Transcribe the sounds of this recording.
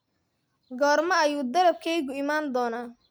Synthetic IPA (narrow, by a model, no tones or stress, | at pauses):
ɡɔːrmɐɐjuːd̪ɐɾɐb̚kʰɛjɣʊɪmaːnd̪ɔːnaː